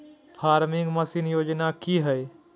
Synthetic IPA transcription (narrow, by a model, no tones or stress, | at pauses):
pʰaːɾmɪ̃ŋɡmɐsinjoːd͡ʒnakiɦɛe